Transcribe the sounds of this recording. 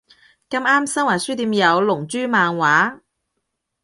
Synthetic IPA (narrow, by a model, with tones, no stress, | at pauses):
kɐ˧maː˥msɐ˥ŋwaː˨˩syː˥t̪iː˨˧mjɐ˨˧wlʊ˨˩ŋt͡ʃyː˥maː˨˧ŋwaː˨˥